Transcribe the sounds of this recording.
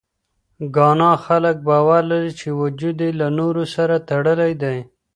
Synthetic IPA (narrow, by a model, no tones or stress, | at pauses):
ɡɑnɑxalək̚bɑwaɾlaɾit͡ʃewʊd͡ʒud̪elanoɾosaɾat̪aɽəlajd̪aj